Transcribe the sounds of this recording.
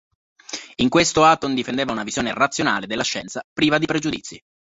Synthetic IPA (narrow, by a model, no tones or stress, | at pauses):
iŋkwest̪oat̪ond̪ifend̪eːvaunavizjoːnerat̪sːjona̰ːled̪elːaʃːɛnt̪sapɾiːvad̪ipɾed͡ʒud̪ḭt̪sːi